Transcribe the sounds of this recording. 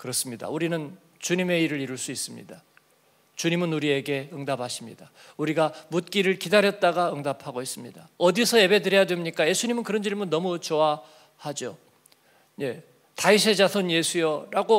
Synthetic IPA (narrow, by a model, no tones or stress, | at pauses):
kɯɾʌs͈ɯmɲida̰uɾinɯn | t͡ɕuɲime̞iɾɯɾiɾuɭs͈uis͈ɯmɲḭda | t͡ɕuɲimɯnuɾie̞ɡe̞ɯŋdabaɕʰimɲḭda | uɾiɡamut̚k͈iɾɯɭkidaɾjʌt̚t͈aɡaɯŋdapʰaɡois͈ɯmɲidaʌdisʰʌje̞be̞dɯɾjʌjadwemɲik͈aje̞sʰuɲimɯnkɯɾʌnd͡ʑiɭmɯnːʌmut͡ɕowa | had͡ʑo | je̞ | tais̬ʰe̞d͡ʑasʰʌnje̞sʰujʌɾaɡo